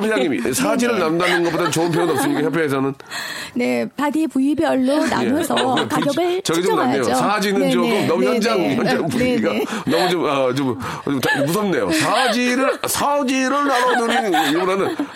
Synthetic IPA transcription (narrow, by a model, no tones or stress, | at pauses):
pʰeaŋiisʰad͡ʑiɾɯɭnamdanɯnɡʌp͈odat͡ɕoɯnpʰjʌŋɯnʌps͈ɯmɲik͈ajʌp̬ʰeɦes̬ʰʌnɯn | ne̞paɡipuibiʌɭːona̰mʌsʰʌpaɡjʌbɯɭt͡ɕʌɡiomnaannejoosʰad͡ʑinɯnd͡ʑoɡomnʌmuçjʌnd͡ʑaŋçjʌnd͡ʑaŋpuibiɡa | nʌmut͡ɕomat͡ɕom | t͡ɕomtmus̬ʰʌmne̞jo̰sʰad͡ʑiɾɯɭsʰad͡ʑiɾɯɭnaɾʌnɯɾinimuɾanɯn